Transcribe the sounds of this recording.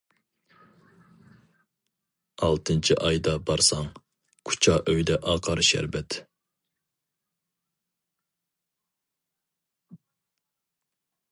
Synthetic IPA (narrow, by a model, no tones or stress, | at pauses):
ɑlˠt̪ʰɨnt͡ʃʰiʔɑjd̪ɑbɑɾsɑŋ | kʰu̥t͡ʃʰɑʔøjd̪ɛʔɑːqʰɑɾʃæ̰ɾbɛt̪